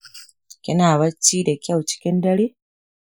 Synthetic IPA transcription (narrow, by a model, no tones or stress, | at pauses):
kenaβat͡ʃiɾekaut͡ʃi̥kendali